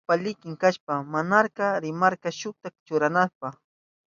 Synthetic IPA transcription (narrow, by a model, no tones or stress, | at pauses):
palɪkɪŋkaʃpamanaɾqɑɾɪmaɾqɑʃʊt̪akt͡ʃʊɾanaspa